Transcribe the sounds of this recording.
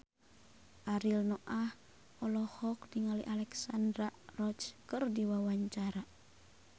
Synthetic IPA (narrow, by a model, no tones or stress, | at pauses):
ʔaɾilnɔʔah | ɔlɔhɔk̚diŋaliʔalɛksandɾarɔt͡ʃkərdiwawaɲt͡ʃaɾa